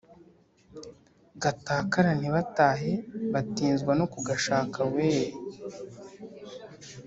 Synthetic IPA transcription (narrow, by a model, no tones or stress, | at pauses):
ɡataːkaɾan̥iβataːɦe̞βatiːnzɡwanokuɡaʃaːkʰaweːɾ